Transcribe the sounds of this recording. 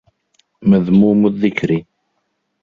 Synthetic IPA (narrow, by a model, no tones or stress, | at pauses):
məðmumuðːikːɾi